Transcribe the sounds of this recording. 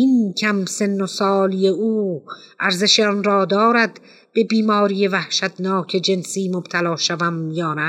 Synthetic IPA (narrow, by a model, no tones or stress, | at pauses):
inkʰæmse̞nːosɒːlijeuː | ʔæɾze̞ʃeɔnɾɒːd̪ɒːɾæd̪ | b̥e̞biːmɒːɾijevæhʃæd̪nɒːkʰe̞d͡ʒe̞nsiːmob̥t̪ʰælɒːʃævæmjɒːnæ